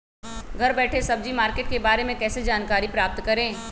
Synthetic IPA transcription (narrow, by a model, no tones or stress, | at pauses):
ɡʱɐɾbɛːʈʰesɐb̚d͡ʒimaːɾkeːʈ̚kebaːɾemẽkɛːsed͡ʒaːnkaːɾipɾaːp̚t̪kɐɾẽː